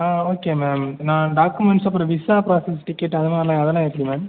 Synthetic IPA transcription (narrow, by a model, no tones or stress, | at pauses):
aːoːkemeːmnãːɖaːkumɛɳʈsɐpːɯɾɐ̃ʋɪsaːpɾaːsɛsʈɪkːɪʈːɐðɯmaːlãːɐðɛlãːɛpːɽimaːm